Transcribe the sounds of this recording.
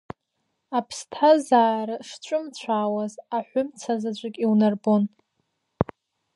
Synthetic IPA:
apʰstʰazaːɾaʂt͡ʃʷʼʊmt͡ɕʷʰaːwazaħʷʊmt͡sʰazat͡ɕʷʼakʲʼiwnarbon

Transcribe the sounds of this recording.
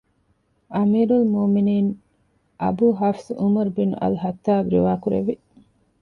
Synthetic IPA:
ʔɐmiːɾulmoːminiːn | ʔɐ̰buːɦɐfsumɐɾbinṵʔɐ̰luɦɐt̪ːaːbɾḭʋaːkuɾḛʋi

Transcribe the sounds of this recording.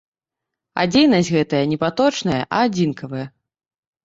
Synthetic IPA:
a̰d͡zʲejnɐsʲɣɛt̪ɐjɐnʲɛpat̪ɔt͡ʂnɐjɐʔɐad͡zʲinkʰɐvɐjɐ

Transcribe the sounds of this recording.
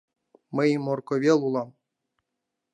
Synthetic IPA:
mɘ̆jimorkoβʲelˠulˠɑm

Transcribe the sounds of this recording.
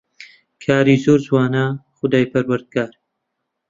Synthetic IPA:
kʰaːɾizoːɾzwaːnaχʊd̪aːjpʰɐɾwɐɾd̪̚ɡaːɾ

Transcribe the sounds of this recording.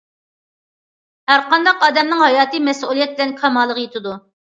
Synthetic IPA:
hæɾqɑnd̪ɑqɑːd̪ɛmnɪŋhɑjɑːt̪ɨmɛsulˠijɛt̪̚bɪlɛnkʰɑmɑlˠːəʁjet̪ɪd̪u

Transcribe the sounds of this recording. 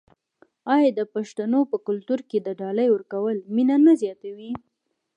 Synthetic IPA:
ɑjɑd̪əpaʃt̪anopəkʊlt̪uɾked̪əɖɑləjwəɾkawəlminanazjɑt̪awi

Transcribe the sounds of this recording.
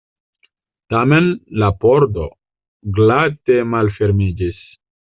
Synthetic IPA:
tamenlapoɾdo̞ | ɡlatemalfe̞ɾmid͡ʒis

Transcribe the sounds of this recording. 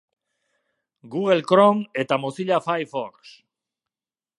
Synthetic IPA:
ɡuɣelkɾoŋet̪amoθiʎafajfoɾks

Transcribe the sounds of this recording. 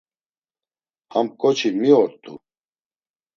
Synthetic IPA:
amkʼɔt͡ʃʰimiɔɾt̪ʼṵ

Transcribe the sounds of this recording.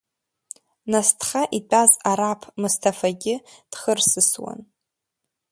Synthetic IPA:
nastʰχaʔit͡pʷʼazaɾapʰmɨstʰafaɡʲɪd̥χərsɨswa̰n

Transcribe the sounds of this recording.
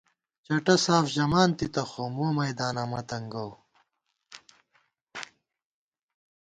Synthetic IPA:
t͡ɕɐʈɐsaːfʑɐmaːnt̪it̪ɐxomoːmɐjd̪aːnamɐt̪ɐŋɡɐw

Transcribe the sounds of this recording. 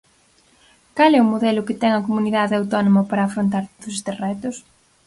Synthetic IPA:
kalɛʊmoðɛlʊkɪt̪ɛŋɐkomuniðaðeawt̪ɔnomapaɾɐːfɾont̪aɾt̪oðʊsest̪esrɛt̪ʊs

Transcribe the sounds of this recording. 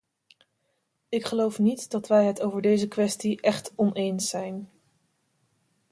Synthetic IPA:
ɪkχəlowfnitdɑtʋɛjɦətowvəɹdejzəkʋɛstiʔɛχtɔnejnsɛjn

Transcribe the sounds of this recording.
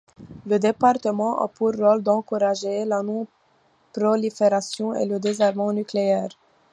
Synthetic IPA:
ləd̪epaʁt̪əmɑ̃ʔa̰puʁːɔld̪ɑ̃kuʁaʒelanɔ̃ | pɾɔlifeʁasjɔ̃ḛləd̪ezaʁmɑ̃nykleɛːʁ

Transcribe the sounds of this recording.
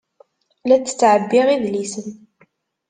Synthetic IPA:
læt͡sːə̥t͡sːʕəbːiʁiðlisən

